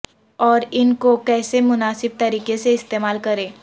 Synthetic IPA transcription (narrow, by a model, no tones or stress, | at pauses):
ɔːɾɪnkokɛːsemʊnaːsɪb̚t̪ɐɾiːkeseɪst̪eːmaːlkɐɾẽː